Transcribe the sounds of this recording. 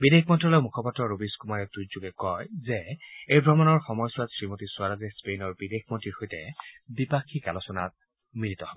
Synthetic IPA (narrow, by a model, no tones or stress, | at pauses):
bidexmɔntɔlɔjmukʰɔpɔtɹɔɹobiskumaɹɛtuzuɡɛkɔjzɛejbʱɹɔmanɔɹxɔmɔjswatsɹimotiswaɹazɛspejnɔɹbidexmɔntiɹxojtɛbipakʰːikalɔsɔna̰t̚ | militɔhɔbɔ